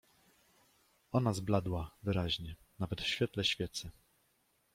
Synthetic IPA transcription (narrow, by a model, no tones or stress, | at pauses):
ɔnazblad̪wavɘɾaʑɲɛnavɛt̪fɕfʲjɛt̪lɛɕfʲjɛt̪sɘ